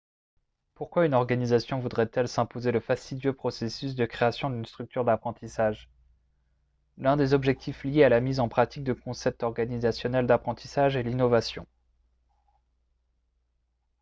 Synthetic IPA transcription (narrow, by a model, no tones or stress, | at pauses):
puʁkwaynɔʁɡanizasjɔ̃vud̪ʁɛt̪ɛlsɛ̃pozeləfast̪id̪jøpχɔsesysd̪əkχeasjɔ̃d̪ynst̪χyk̚t̪ʰyʁd̪apχɑ̃t̪isaʒ | lɛ̃d̪ezɔbʒɛk̚t̪ʰifljealamizɑ̃pχat̪ik̚d̪əkɔ̃sɛp̚t̪ɔʁɡanizasjɔnɛld̪apχɑ̃t̪ʰisaʒɛlinɔvasjɔ̰̃